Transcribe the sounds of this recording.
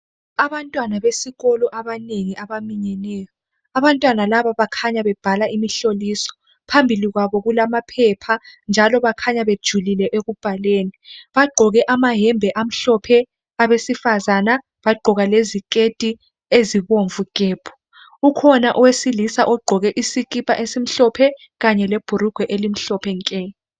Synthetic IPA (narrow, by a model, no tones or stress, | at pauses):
aβantʼwanaβesiɣɔlɔʔaβaneŋiʔaβamiɲɛnɛːjɔ | aβantʼwanalaβaβakʰaɲaβɛb̥ʱalaimiɬolisɔ̥ | pʰambʱiliɣwaβɔɣulamapʰɛpʰand͡ʒʱalɔβakʰaɲaβed̥ʒ̥ʱulilɛʔeɣub̥ʱaleːniβaɡ͡ǃʱɔɣɛʔamaɦɛmbʱɛʔam̩ɬɔpʰɛ | aβesifazana | βaɡ͡ǃʱɔɣalezikʼetʼi | eziβoɱvuɡ̥ʱɛːb̥ʰʱɔ̥ | ukʰɔnaʔɔwesilisaʔɔɡ͡ǃʱɔɣɛʔisik̬ʼipʼa̰ʔesim̩ɬɔpʰɛ | ɣaɲɛleb̥ʱuɾuɡ̥ʱwɛʔelim̩ɬɔpʰɛŋkʼɛːjɔ